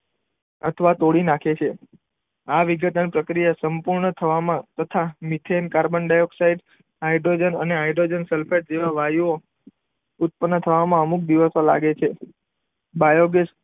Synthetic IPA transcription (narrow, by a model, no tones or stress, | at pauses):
ə̰t̪ʰəʋat̪oɽinakʰet͡ʃʰe | aʋiɡət̪anipɾəkɾijasəmpuɾɳət̪ʰəʋamãt̪ət̪ʰamit̪ʰemkaɾbəɳɖajoksaiɖ | aiɖɾod͡ʒənə̰neajɖɾod͡ʒənsɛlfʰeʈ̚d͡ʒeʋaʋajuo | ʊt̪̚pənːət̪ʰəʋamãəmuk̚d̪iʋəsola̰ɡet͡ʃʰe | bajoɡes